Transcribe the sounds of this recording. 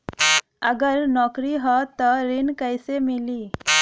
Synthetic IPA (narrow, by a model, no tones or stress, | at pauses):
əɡəɾnɔkɾiɦɔt̪əɾinkəjsemiliː